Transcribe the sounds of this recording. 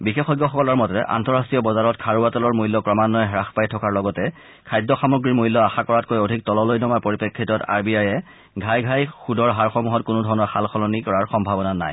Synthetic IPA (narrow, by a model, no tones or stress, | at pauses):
bixexɔjɡːɔxɔkɔlɔɹmɔtɔɛ̰ʔa̰ntɔɹastɹijɔbɔzaɹɔtkʰaɹuatɔlɔɹmulːɔkɹɔmanːɔjɦɛɹaxpajtʰɔkaɹlɔɡɔtɛ | kʰajdɔxamuɡɹiɹmujlːɔaxakɔɹat̚kojodʱik̚tɔlɔlojnɔmaɹpoɹipekʰːitɔta̰ɹbiajɛ | ɡʱajɡʱajxudɔɹɦaɹxɔmuɦɔtkʊnʊdʱɔɹɔnɔɹxalxʰɔlɔnikɔɹaɹxɔmbʱabɔnana̰j